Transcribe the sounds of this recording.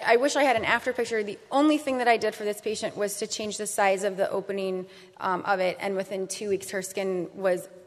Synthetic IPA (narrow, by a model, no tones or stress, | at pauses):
ʔaɪwɪʃaɪɨɾɨ̃næftə˞pʰɪk̚t͡ʃə˞ðiʔõʊ̃nliθɪ̃ŋðɨɾaɪdɨd̥fə˞ðɪspʰeɪʃɨ̃nʔwʌz̥tʰɨt͡ʃʰẽɪ̃nd͡ʒðɨsaɪzʌvðiʔo̰ʊpɨnɪ̃ŋ | ʔʌ̰vɪtɨ̰̃nwɨθɪ̃ntʰʉwikshə˞skɪ̃nwʌz